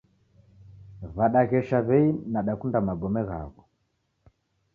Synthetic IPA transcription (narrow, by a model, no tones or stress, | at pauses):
βaɗaɣɛʃaβɛinaɗakundamaɡɔmɛɣa̰βɔ